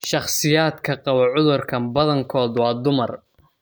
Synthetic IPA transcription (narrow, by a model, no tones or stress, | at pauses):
ʃɑχsɪjaːd̪kʰɐqɑwɐʕʊðʊrkʰɐmbɐðɐŋkʰɔːd̪wɑːd̪ʊmɐr